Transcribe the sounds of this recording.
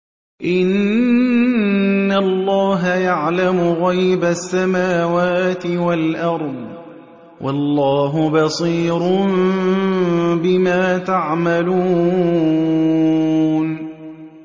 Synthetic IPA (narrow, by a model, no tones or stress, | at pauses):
ʔɪn | alˤːɑːɦajaʕlamʊɣajbasːamaːwaːt̪ɪwalʔɑɾˤd̪ˤ | wʔɑ̰lːɑːɦʊbɑsˤiːɾʊm | bɪmaːt̪aʕmaluː | n